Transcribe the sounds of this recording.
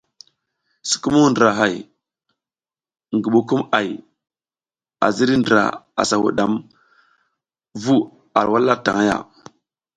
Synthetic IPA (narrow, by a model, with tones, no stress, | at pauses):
si̥˨ku˦mu˦ndɾa˨ɦa˨j | ŋɡi˨ɓu˦ku˦ma˨j | a̰˨zi˦ɾi˦ndɾa̰˨a̰˨sa˨wṵ˨ɗa˨m | vu˦ | a̰˨ɾwa˦lːa˦ta˨ŋa˦ja̰˨